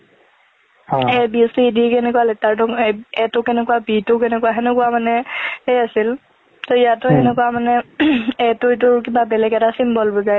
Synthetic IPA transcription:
ɛbisiidiɛkɛnɛkualɛtaɹtʊɛtʊkɛnɛkuwabitʊk̬ɛnɛkuwaɦɛnɛkuwamanɛɛasil | tɔijatʊɛnɛkuamanɛɛtʊit̬ʊɹkibabɛlɛɡɛtasimbɔlbɔzaj

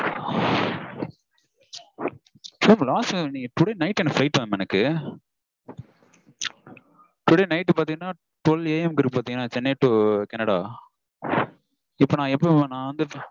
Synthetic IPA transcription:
t͡ʃomlaːsnĩɐʈʊɽeːnɐɪʈːɛnːɐfɾɐɪʈʋɐːmɛnɐkːɯ | ʈʊɽenɐɪʈːpaːɾt̪ĩŋɡɐnːaː | ʈɔleːɛmkɪɾɯkːɯpaːɾt̪iŋɡɐnːaːt͡ʃɪnːɐjʈːukɛnɐɽaː | ɪpːoːnãːɛpːonãːɐnd̪ɯ

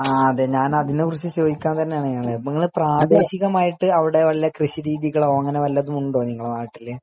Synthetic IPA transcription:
aːɐðeɲaːnɐðinːekurɨt͡ɕːɨt͡ɕo̞ːdikʲːaːnt̪ɐnːejaːɳɨaːɭeniŋːɐɭpraːd̪e̞ːɕiɣɐmaːjiʈːɨɐʋiɽe̞ʋɐɭijɐkrɨɕiɾiːðiɣɐɭoɐŋːɐneʋɐlːɐðumuɳɖo̞ːniŋːɐɭnaːjiʈːilːe

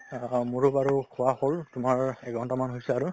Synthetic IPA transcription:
muɹʊbaɹukʰʊaholtʊmaɹɛɡʱɔntɔmanɦojsɛaɹʊ

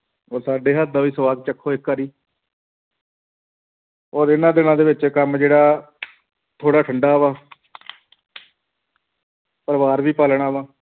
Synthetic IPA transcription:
ɔːɾsaːɖeːɦət̪̚d̪aːʋiːsəʋaːd̚t͡ʃəkʰːoːɪkːaɾiː | ɔːɾɪnãːd̪ɪnãːd̪eːʋɪt͡ʃeːkəmd͡ʒeːɽaː | t̪ʰoːɽaːʈʰəɳɖaːʋãː | pəɾʋaːɾʋiːpaːləɳ̃aːʋãː

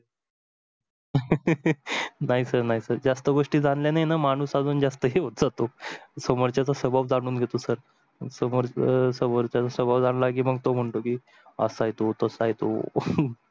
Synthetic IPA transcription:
naɦisəɾnaɦisəɾd͡zast̪əɡoʂʈiːd͡zanljanaɦjnamaɽ̃uːsad͡zuːnd͡zast̪əɦeɦot̪d͡zat̪osəmoɾt͡ɕat͡sasəbʱaʋd͡zaɽ̃uːnɡʱet̪osəɾ | səmoɾsəmoɾt͡ɕat͡sasəbaʋd͡zaɽlaɡiːməɡ̚t̪om̤əɳʈ̪okiː | ə̰sajt̪ot̪əsajt̪o̰

